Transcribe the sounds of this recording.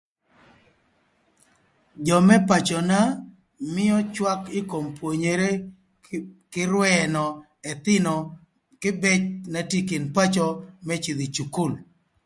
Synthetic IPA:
d͡ʒɔ˨mɛ˦pa˨t͡ʃɔ˨na˦ | mɪ˦ɔ˦t͡ʃwa˦kɪ˦ko˨mpwo˨ɲe˨ɾe˦ | kɪ˦ɾwɛnɔ˨ | ɛ˨t̪ɪ˦nɔ˨ | kɪ˦bɛ˦t͡ʃna˨ti˦kɪ˨npa˦t͡ʃɔ˦mɛ˦t͡ʃi˨ðɪ˨t͡ʃu˨ku˦˨l

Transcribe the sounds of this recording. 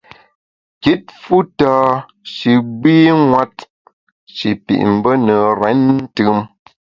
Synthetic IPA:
ki˦t̚fu˦taː˦ | ʃi˨ɡ͡biː˦ŋwa˦t̚ | ʃi˨pḭ˨ʔm̩˨bə˦nə˨ɾɛ˨˦n̩˦tɯ˦m

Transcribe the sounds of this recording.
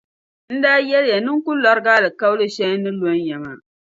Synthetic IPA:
n̩˦daː˦jɛ˦lja˨nɨ˦ŋkʊ˦lɔ˨ɾɡaː˦lɨ˨ka˦wlɨ˦ʃɛ˦nɨ˦lo˦ɲ˦jɛ˨maː˦˨

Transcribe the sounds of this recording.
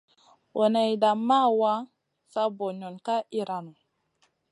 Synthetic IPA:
ʔo˨na˨i˨da˨mːa˦˨wa˦ | sa˦bo˨ɲo˨nka˦i˦ɾa˨nu˨

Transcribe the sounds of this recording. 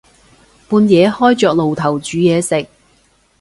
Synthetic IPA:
puː˧njɛː˨˧˥hɔː˥jt͡ʃœː˧k̚lo˨wt̪ʰɐ˨˩wt͡ʃyː˨˥jɛː˨˧sɪ˨k̚

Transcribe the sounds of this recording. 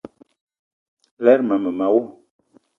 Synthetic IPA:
lɛ˦ɾma˨mə˨ma˨˦wu˦

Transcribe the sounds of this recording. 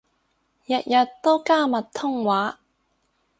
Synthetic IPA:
jɐ˨t̚jɐ˨tt̪o˥wkaː˥mɐ˨tt̪ʰʊ˥ŋwaː˨˥

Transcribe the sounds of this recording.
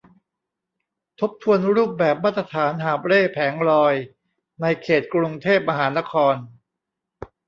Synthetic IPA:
t̪ʰo˦˥p̚t̪ʰu˧ənɾuː˥˩p̚bɛː˨˩p̚maː˥˩t̪ːɾa˧t̪ʰaː˩˦nɦaː˨˩˦p̚ɾeː˥˩pʰɛː˩˦ŋɾɔː˧j | na˧jkʰeː˨˩t̪̚kɾu˧ŋt̪ʰeː˥˩p̚ma˧ɦaː˩˦na˦˥kʰɔː˧n

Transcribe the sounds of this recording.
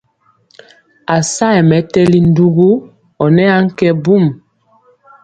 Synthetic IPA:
a˨sa˦ɛ˨mɛ˨˦tɛ˦li˨n˦du˦ɡu˦ | ɔ˨nɛ˦a˦ŋ̩˦kɛ˦bu˦˨m

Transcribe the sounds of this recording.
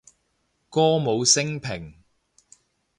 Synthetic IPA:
kɔː˥mo˨˧wsɪ˥ŋpʰɪ˨˩ŋ

